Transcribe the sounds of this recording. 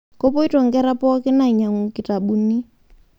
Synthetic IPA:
kɔ˦pɔ˦i˦tɔ˨ŋɡɛ˦ɾa˦pɔ˦kɪ˦na˨ɲa˨ŋu˨kɪ˨ta˨ɓu˨ni˦

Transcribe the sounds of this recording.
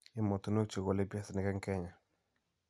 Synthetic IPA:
ɪ˦mɔ˨t̪o˨no˦t͡ʃo˨ɡo˨lɪ˦pjɛ˦snɪ˨kɛ˦ŋkɛ˦ɲa˨

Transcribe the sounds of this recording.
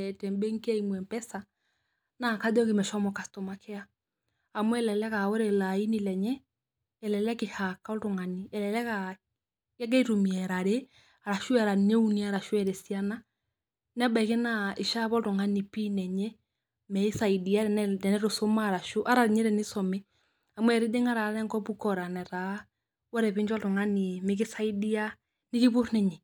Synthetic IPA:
ɛtɛmbɛ˦ŋke˦aimwɛ˨mpɛsa | naka˦dɔ˦kimɛ˨ʃɔmɔka˨stɔmakʰe˦a | amwɛ˦lɛ˨lɛ˦kao˦ɾelai˦nilɛɲɛː | lɛlɛkehaka˦o˦toŋa˨niɛ˨lɛlɛ˦ka | kɛ˦ɡ̬ɛ˦i˦tomiɛɾaɾe | a˨ɾa˨ʃwɛɾa˨ne˦uniaɾa˨ʃwɛɾɛ˨siana | nɛ˦ba˨i˨ke˦naɪ˨ʃa˦βɔ˦lto˨ŋa˦ni˨piː˦nɛ˨ɲɛ˦ | mɛ˨i˦sa˨i˨di˨a˦ɛndɛ˨nɛ˦ɾo˨so˦ma˦˨ɾa˨ʃo˦ʔa˦ɾa˨ɾɲɛ˦ɾɛ˨nɪ˦sɔ˨mɛ˦ | a˨m˦ɛ˨ɾɪ˦de˦ŋa˦ɾa˨˦ɾɛ˦ŋkɔ˦pu˦kɔ˨ɾa˨nɛ˨ɾa˨ | wɔ˦ɾɛ˨pɪ˦ɲd͡ʒɔ˦lto˨ŋa˦ni˨me˨k̬ɪ˦sa˦i˦di˦a˦ | nɪ˦kɪ˦βo˦ɾnɛ˨ɲɛ˨

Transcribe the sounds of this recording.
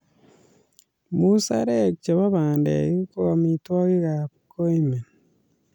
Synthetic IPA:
mu˦sa̰ɾe˨kt͡ʃe˨βa˦βaː˨ndḛɣi˦koamitwa˦ɣi˦ɣaβuko˦ime˨n

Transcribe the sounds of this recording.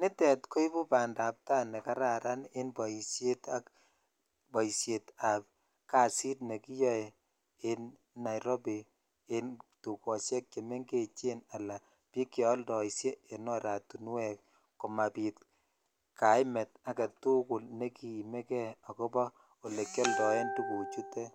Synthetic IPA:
nɪ˦tɛ˨tko˦i˦bu˦pa˨nda˨p̚ta˦nɛ˨ka˦ɾa˨ɾa˦ne˦nbɔ˨i˨sje˦ta˦k | bɔ˨i˨sje˨ta˨p̚ | ka˨si˦t̚ne˨ki˦jɔ˦e˨ | e˦nː | a˨jɾo˦bi˨ | e˦ntu˨kɔ˨sjɛ˦k̚t͡ʃe˨me˦ŋɡe˦˨t͡ʃe˦na˨la˨ | pi˦kjɔ˦ldɔ˨i˨sje˦e˨nɔ˦ɾa˨tu˨n˦wɛ˨k̚ | ko˨ma˨pi˨t | ka˨˦jmɛ˨ta˦kɛ˨tu˦kʊ˨lne˦ki˨mɛ˦kɛ˦a˨ko˦bɔ˦ | o˨le˨kjɔ˦ldɔ˨e˦ntu˨ku˨t͡ʃu˦tːɛ˦

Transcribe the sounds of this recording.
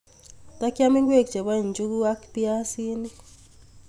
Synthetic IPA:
t̪a˦kja˦mi˦ŋɡwe˦˨k̚d͡ʒe˨ba˦i˨nd͡ʒu˦ku˦a˦kpi˦a˦si˦ni˦

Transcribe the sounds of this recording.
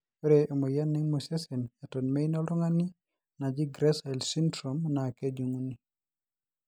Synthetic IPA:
e˦ɾeʔo˨mo˨ja˦nːɪ˦ŋmosese˨na˨to˨nme˦inɔ˦lʊ˦ŋa˦ni˦ | na˨d͡ʒi˦ɡɾɛsa˨lsi˦ndɾomnake˦d͡ʒu˨ŋu˦ni˨

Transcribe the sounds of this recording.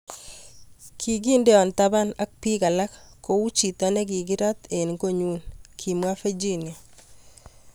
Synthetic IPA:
kʰi˨ɡi˦ndɛ˦ɔ˨nt̪a˦ba˦na˦k̚pi˦ka˨la˦kkːo˨u˦t͡ʃi˨t̪a˦ne˦ki˨ɡɪ˦ɾa˦t̪e˨nko˦ɲu˦nkʰi˨mwa˦fe˦d͡ʒi˦ni˨

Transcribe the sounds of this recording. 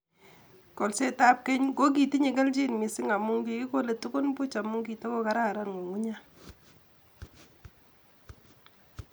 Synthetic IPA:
kɔ˨lse˦ta˦p̚kɛ˦ɲko˦k̬i˨ti˦ɲi˨kɛ˦lt͡ʃi˦nmɪ˨sɪ˦ŋa˨mu˦ŋki˨kɪ˦ko˦le˨tu˦kʊ˦npʊ˦t͡ʃa˨mʊ˦ŋki˨ta˦ko˦ka˦ɾa˦˨ɾa˦˨nŋo˨ŋu˦ɲa˦

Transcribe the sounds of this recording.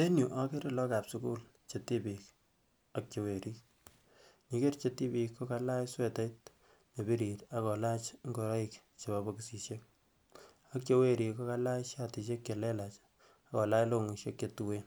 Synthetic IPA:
te˦nju˨ʔa˦ke˦ɾe˦lɔ˦ka˨psuku˦l | t͡ʃe˨ti˦bik | ak̚t͡ʃe˨we˨ɾi˦k | ɲi˦ke˦rt͡ʃe˦ti˦pi˧kːo˦ka˦la˦jswe˦ta˦it̚ | ɲe˨bi˦ɾi˨ta˨kɔ˨la˦t͡ʃŋɡo˨ɾa˦ik | t͡ʃe˨babɔkisi˨ʃe˦k̚ | ak̚t͡ʃe˦we˦ɾi˨ko˦ka˦la˦jʃa˦ti˨ʃe˦kke˨lɛ˦lat͡ʃ | a˦kɔ˨la˦jlo˦ŋu˨ʃe˦kːe˨tuwe˦n

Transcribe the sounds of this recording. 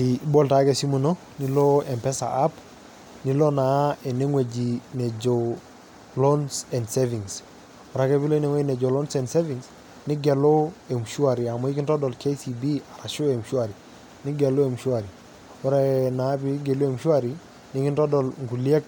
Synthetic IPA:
i˨bɔ˦lta˨˦kɛ˨si˦mu˨nɔ˦ | ni˦lɔ˦ɛ˨mpɛ˦sa̰˨ʔa˦p | ni˦lɔ˦na˨˦ɛ˨ne˦ŋwe˨d͡ʒi˨nɛ˨d͡ʒɔ˨ | lɔ˦nsɛ˨ndse˦vi˨ŋs | ɔ˨ɾa˨˦kɛ˦bi˦lɔ˦i˦ne˨ŋwe˦i˦nɛ˨d͡ʒɔ˨lɔ˦nsɛ˨nse˦vi˨ŋs | nɪ˦ɡɛ˨lɔ˦ɛ˨mʃu˦a˨ɾi˨a˨mɔ˦i˦kɪ˦ntɔ˦dɔ˨lke˦si˨bi˦a˨ɾa˨ʃʊ˦ɛ˨mʃu˦a˨ɾi˨ | nɪ˦ɡɛ˨lʊ˦e˨mʃu˦a˨ɾi˨ | ɔ˦ɾa˦na˨˦bi˦ɡɛ˨lu˦e˨mʃu˦a˨ɾi˨ | nɪ˦kɪ˦ntɔ˦dɔ˨lŋɡu˨li˦e˦k̚

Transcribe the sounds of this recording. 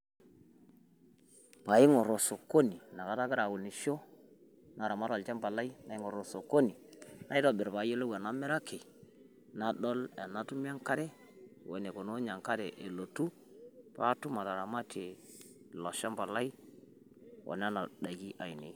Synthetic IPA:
pa˨ji˦ŋo˨ɾo˨so˨ko˦ni˨na˨ka˨ta˦ɡi˦ɾa˨wu˨lni˨ʃo˦ | na˨ɾa˨ma˦lɔ˨lt͡ʃa˦mba˨la˦i˦na˨˦i˦ŋo˨ɾo˨so˨ko˦ni˨na˦i˦dɔ˦bɪ˨ɾpa˨˦jo˦lo˦wɛ˨na˦mɛ˦ɾa˦ke˨ | na˨ɗɔ˦lɛ˨na˦tu˦m˦a˦ŋka˦ɾɛ˦˨ | wo˨ne˨ko˨no˦ɲa˨ŋka˦ɾɛ˨ʔe˨lo˨tu˦ | pa̰˦tu˦ma˨ta˨ɾa˨ma˦te˨ | lɔ˨ʃa˦mba˨la˦i˦ | wo̰˨n˦a˦na˨da˨ɡi˦ʔa˨i˨nḛ˨˦

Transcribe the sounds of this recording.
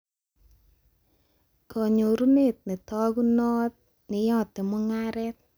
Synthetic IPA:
kɔ˨ɲo˨ɾu˦ne˦˨t̚nɪ˨tɔ˦ɡu˦nɔ˦t̚ | nɪ˨jɔ˦˨tɪ˨mʊ˦ŋa˦ɾɛ˦t̚

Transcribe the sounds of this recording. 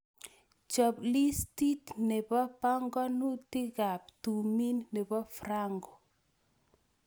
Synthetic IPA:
t͡ʃɔ˨pli˦sti˦tne˨pɔ˦pa˦ŋɡɔ˦nu˦ti˦ɡa˨p̚tu˨mi˦nːe˨pɔ˦fɾa˦ŋɡɔ˨

